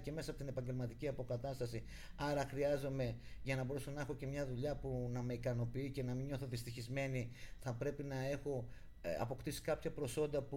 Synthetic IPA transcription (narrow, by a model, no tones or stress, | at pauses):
ce̞me̞sɐpo̞t̪ine̞pɐɲɟe̞lmɐt̪iciɐpo̞kɐt̪ɐst̪ɐsi | ɐɾɐxɾiɐzo̞me̞ʝɐnɐbo̞ɾesonɐe̞xo̞ce̞mɲɐðuʎɐpunɐme̞ikɐno̞piice̞nɐmiɲo̞θo̞ðist̪içizme̞niθɐpɾe̞pinɐe̞xo̞ | ɐ̰po̞kt̪isi̥kɐpçɐpɾo̞so̞nd̪ɐpu